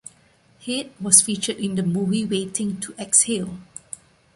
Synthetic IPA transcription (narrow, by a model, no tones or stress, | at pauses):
hit̚wɔsfit͡ʃədɪ̃ndəmuviwetɪ̃ŋtʰuʔɛkshil